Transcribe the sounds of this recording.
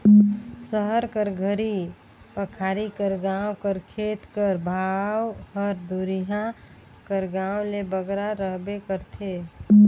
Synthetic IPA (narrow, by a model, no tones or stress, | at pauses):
səɦəɾkəɾɡʱəɾi | pəkʰaːɾikəɾɡaːwkəɾkʰeːt̪kəɾbʱawhəɾd̪uɾiɦã | kəɾɡãːwlebəɡɾaɾəɦbekəɾt̪ʰe